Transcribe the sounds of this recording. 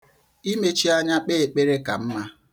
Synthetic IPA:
i˦me˦t͡ʃi˦a˦ɲa˦k͡pe˦e˨k͡pe˦ɾe˦ka̰˨m̩˦ma˦

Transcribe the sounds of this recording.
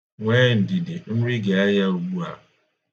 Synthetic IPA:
ŋʷeː˦n̩˨dɪ˨dɪ˨n̩˦ɾi˦ɡe˨a˦ja˦u˨ɡ͡bu˦a̰˨

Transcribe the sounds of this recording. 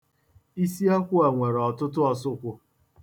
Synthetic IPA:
i˦si˦a˦kʷʊ˦a˨ŋʷe˨ɾɔ˨tʊ˦tʊ˦ɔ˨sʊ˦kʷʊ˨

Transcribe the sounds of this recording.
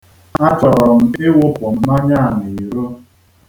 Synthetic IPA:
a˦t͡ʃɔ˨ɾɔ˨m̩˨ɪ˦wʊ˦pʊ˨m̩˨ma˦ɲa˦a˨ni˨i˨ɾo˦

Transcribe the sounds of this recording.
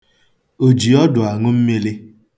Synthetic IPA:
o˨d͡ʒi˨ɔ˦dʊ˨a˨ŋʊ˦m̩˦me˦le˦

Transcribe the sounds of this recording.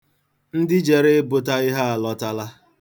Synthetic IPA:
n̩˦dɪ˦d͡ʒe˨ɾe˦bʊ˦ta˦ɪ˦ɦa˦a˨lɔ˦ta˦la˦

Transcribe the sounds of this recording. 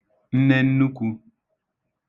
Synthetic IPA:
n̩˦nɛ˦n̩˦nu˦ku˦

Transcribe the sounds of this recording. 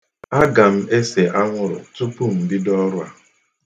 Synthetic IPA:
a˦ɡa˨m̩˦e˦se˨ʔa˦ŋʷʊ˦ɾʊ̰˨tu˦pu˦m̩˨bi˦dɔ˦ɾʊ˦a̰˨

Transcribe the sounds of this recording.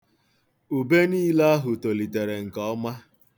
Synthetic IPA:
u˨be˦niː˦la˦a˦ɦʊ˨to˨li˨te˨ɾe˨ŋ̩˨kɔ˦ma˦

